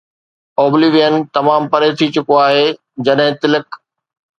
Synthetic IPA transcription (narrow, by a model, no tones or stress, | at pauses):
ɔːbliʋijənɪ̆t̪ɐmaːmpɐɾeːt̪ʰit͡ɕʊkoaːɦeː | d͡ʑɐɗɦɪ̃t̪ɪlɪk